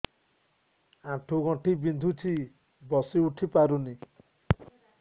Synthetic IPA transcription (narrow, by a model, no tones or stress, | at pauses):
ãʈʰuɡɔ̃ʈʰibind̪ʱut͡ʃʰi | bɔsiuʈʰipaɾuni